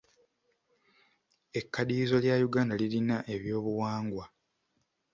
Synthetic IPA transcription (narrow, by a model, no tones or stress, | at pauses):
e̞kːadiːzo̞ljajuɡaːndalilinaʔe̞βjo̞ːβuwaːŋɡwa